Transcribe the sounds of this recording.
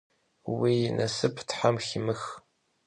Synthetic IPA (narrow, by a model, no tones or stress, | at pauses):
winʔɐsɨpʰtħamximɨx